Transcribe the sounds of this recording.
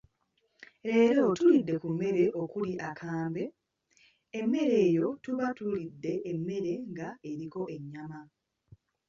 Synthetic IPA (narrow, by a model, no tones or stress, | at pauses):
ɾe̞ːɾo̞tulidːe̞kumːe̞ɾe̞ʔo̞kuliʔakʰaːmbe̞ | emːe̞ɾe̞ːjo̞tuβatulidːe̞ʔemːe̞ɾe̞ŋɡae̞ɾiko̞ʔe̞ɲːama